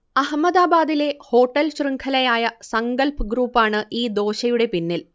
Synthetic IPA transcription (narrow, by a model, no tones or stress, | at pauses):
ɐɦɐmːɐd̪aːbaːd̪ile̞ho̞ːʈːɐlɕrɨŋkʰɐlɐjaːjɐsɐŋɡɐlpɨɡɾuːpːaːɳɨʔiːd̪o̞ːɕɐjuɽe̞pinːil